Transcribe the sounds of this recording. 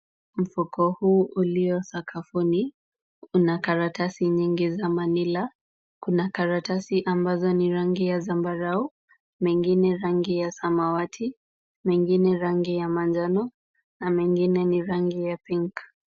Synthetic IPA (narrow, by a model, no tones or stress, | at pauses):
m̩fukɔhuːʔuliɔsakʰafuni | unakaɾatasiɲiŋɡizamanila | kunakaɾatasiʔambazɔniɾaŋɡijazambaɾau | mɛŋɡinɛɾaŋɡijasamawatʰi | mɛŋɡinɛɾaŋɡijamand͡ʒanɔ | namɛŋɡinɛniɾaŋɡijapiŋk